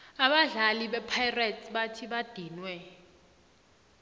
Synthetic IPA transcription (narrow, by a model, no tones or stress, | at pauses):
aɓaɮaliɓɛpʰajrɛtʰʼɓatʰiɓad̥ʱiːnwɛ